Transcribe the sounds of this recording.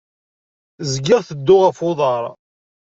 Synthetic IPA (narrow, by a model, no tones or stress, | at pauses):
zɡɪʁθəd̪ːʊʁəfʊðˤɑɾˤ